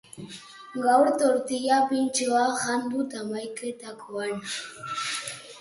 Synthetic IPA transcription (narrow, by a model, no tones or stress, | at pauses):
ɡawɾt̪oɾt̪ijapint͡ʃoaɣambut̪amajket̪akʰoan